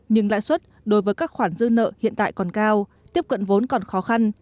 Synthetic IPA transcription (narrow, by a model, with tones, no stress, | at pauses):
ɲɨ˧ŋla̰ː˧˨jswə˦˥t̚ | ɗo˨˦jvəː˨˦jkaː˦˥k̚xwaː˧˩nzɨ˧nə̰ː˧˨hḭ˧˨ənt̪a̰ː˧˨jkɔ˨˩nkaː˧w | t̪i˦˥əp̚kə̰˧˨nvo˨˦nkɔ˨˩nxɔ˨˦xa˧n